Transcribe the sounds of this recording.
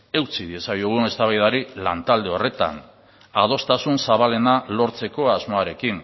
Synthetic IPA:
e̞wt͡siðie̞sajuɣune̞st̪aβajðaɾilant̪ald̪e̞o̞re̞t̪a̰n | að̞o̞st̪asunsaβale̞nalo̞ɾt͡se̞ko̞azmoaɾe̞kin

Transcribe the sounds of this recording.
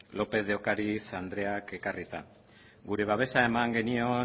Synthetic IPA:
lo̞pe̞ðeokaɾiθand̪ɾe̞ake̞karit̪a | ɡuɾe̞β̞aβ̞e̞sae̞maŋɡe̞nio̞

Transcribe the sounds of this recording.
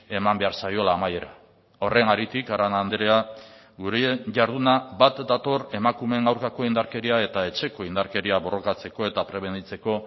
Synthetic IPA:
e̞mambe̞aɾsajo̞laːmaje̞ɾa | o̞re̞naɾit̪ikaɾanand̪eɾea | ɡuɾeʝaɾð̞unabat̪d̪at̪o̞re̞makume̞ŋɡawɾkako̞ind̪aɾke̞ɾiae̞t̪ae̞t͡ʃe̞ko̞ind̪aɾke̞ɾiaβo̞ro̞kat͡se̞ko̞e̞t̪apɾe̞β̞e̞nit͡se̞ko̞

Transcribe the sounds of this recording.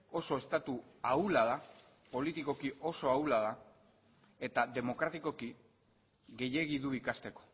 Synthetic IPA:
o̞so̞e̞st̪at̪uawulaða | po̞lit̪iko̞kiʔo̞so̞awlað̞a | e̞t̪aðe̞mo̞kɾat̪iko̞ki | ɣe̞je̞ɣ̞iðuikast̪e̞ko̥

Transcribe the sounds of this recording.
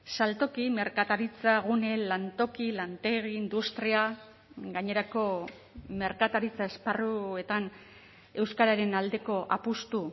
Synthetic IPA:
salt̪o̞kime̞ɾkat̪aɾit͡saɣune̞lant̪o̞kilant̪e̞ɣ̞iːnd̪ust̪ɾia | ɡaɲe̞ɾako̞ | me̞ɾkat̪aɾit͡sae̞sparue̞t̪an | e̞wskaɾaɾe̞nald̪e̞ko̞ʔapust̪u

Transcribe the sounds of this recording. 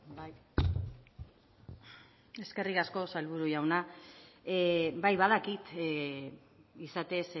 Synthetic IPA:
e̞ske̞riɣasko̞salβuɾuʝawna | bajβað̞akit̪ | isat̪e̞s

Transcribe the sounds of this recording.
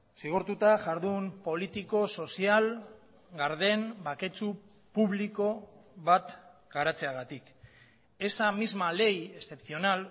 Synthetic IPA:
siɣ̞oɾt̪ut̪aʝaɾðumpo̞lit̪iko̞so̞sial | ɡaɾðe̞nbake̞t͡su | puβliko̞βat̪ɡ̥aɾat͡se̞aɣat̪ik | e̞samizmale̞je̞ste̞pθio̞nal

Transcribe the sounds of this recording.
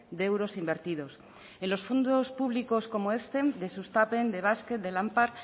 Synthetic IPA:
d̪e̞wɾo̞simbe̞ɾt̪iðo̞s | e̞nlo̞sfond̪ospuβliko̞sko̞moe̞st̪e̞d̪e̞sust̪ape̞nd̪e̞β̞asket̪̚d̪e̞lampaɾ

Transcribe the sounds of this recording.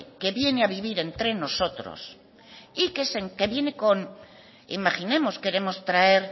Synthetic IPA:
ke̞βje̞neaβiβ̞iɾe̞nt̪ɾe̞no̞so̞t̪ɾo̰s | ikeseŋke̞βje̞ne̞ko̞n | ḭmaχine̞mo̞ske̞ɾe̞mo̞st̪ɾaeɾ

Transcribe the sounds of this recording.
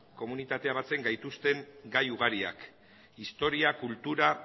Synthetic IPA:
ko̞munit̪at̪e̞aβ̞at͡se̞ŋɡajt̪ust̪e̞ŋɡajuɣ̞aɾia̰k | ist̪o̞ɾiakult̪uɾa

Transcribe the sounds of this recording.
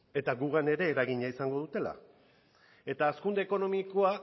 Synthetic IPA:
e̞t̪aɣuɣane̞ɾe̞ːɾaɣiɲaisaŋɡo̞ð̞ut̪e̞la̰ | e̞t̪aːskund̪e̞ːko̞no̞mikoa

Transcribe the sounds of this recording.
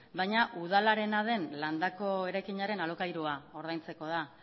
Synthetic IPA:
bajɲaʔuð̞alaɾe̞naðe̞nland̪ako̞e̞ɾajkiɲaɾe̞nalo̞kajɾuao̞ɾðajnt͡se̞ko̞ð̞a

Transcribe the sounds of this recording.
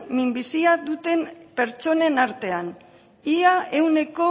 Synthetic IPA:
mimbisiad̪ut̪e̞mpe̞ɾt͡ʃo̞ne̞naɾt̪e̞an | iae̞wne̞ko̞

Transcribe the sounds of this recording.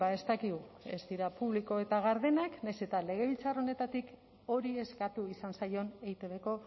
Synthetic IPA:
bae̞st̪akiɣue̞̰zd̪iɾapuβliko̞e̞t̪aɣaɾðe̞naknajse̞t̪ale̞ɣ̞e̞β̞ilt͡saro̞ne̞t̪at̪ik | o̞ɾie̞skat̪uisansajo̞ne̞jt̪eβe̞ko̞

